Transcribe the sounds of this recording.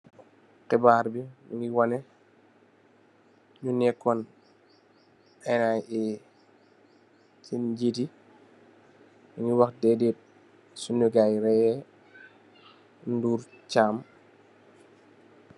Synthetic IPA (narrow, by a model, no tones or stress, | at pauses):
kɛbaːɾbinuŋɡiwɔnɛ | ɲunɛkːɔn | ɛnaji | ciɟiti | ɲuŋɡiwɐxdɛdiːt̚ | sunuɡajɾɛjɛ | nduːɾ | caːm